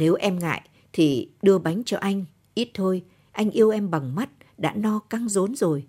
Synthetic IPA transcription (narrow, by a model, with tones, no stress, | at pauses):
ne˨˦wʔɛ˧mŋa̰ː˧˨j | t̪ʰi˨˩ɗɨ˧əɓa˨˦jŋ̟t͡ɕɔ˧ʔa˧jŋ̟ | ʔi˦˥t̚t̪ʰo˧j | ʔa˧jŋ̟ʔi˧əwʔɛ˧mɓa˨˩ŋma˦˥t̚ | ɗa̰ː˧˥nɔ˧ka˧ŋzo˨˦nzo˨˩j